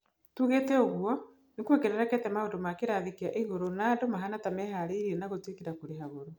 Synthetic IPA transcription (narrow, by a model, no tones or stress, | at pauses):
tuɣetɛoɣwɔ | nekwekeɾɛɾakɛtɛmaondomakeɾaðekiaʔeɣoɾonaːdomaɦanatamɛɦaɾeiɾienaɣotekeɾakuɾeɦaɣoɾo